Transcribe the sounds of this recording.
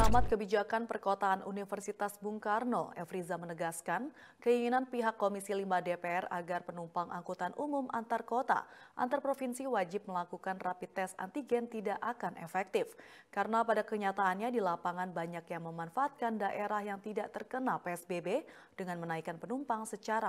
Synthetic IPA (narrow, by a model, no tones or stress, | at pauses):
amat̪̚kəbid͡ʒakanpərkot̪aːnʔunifərsit̪asbuŋkarno̰ɛfɾizamənəɡaskan | kəiŋinanpiɦakːomisilimadepeɛra̰ɡarpənumpaŋʔaŋkut̪anʔumumʔant̪arkot̪a̰ʔa̰nt̪arpɾofinsiwad͡ʒɪp̚məlakukanrapit̪ːɛsa̰nt̪iɡɛnt̪idaʔakanʔɛ̰fɛk̚t̪ɪfkaɾənapadakəɲat̪aːnɲadilapaŋanbaɲakjaŋməmanfaʔːt̪̚kandaʔeɾahjaŋt̪idaʔt̪ərkənalpeɛsbebe | d̥əŋanmənaikanpənumpaŋsət͡ʃaɾa